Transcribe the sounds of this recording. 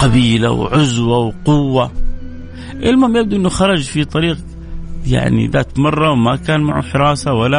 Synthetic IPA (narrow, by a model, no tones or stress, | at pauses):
qɑbiːla̰wʕʊzwawqʊwːa | ʔɪlmamjɪb̚d̪uʔɪnːuxɑɾˤɑd͡ʒfit̪ˤɑɾiːq | ja̰ʕnḭðaːt̪mɑrˤːɑwmakaːnmaʕṵħɪɾˤɑːsawalːa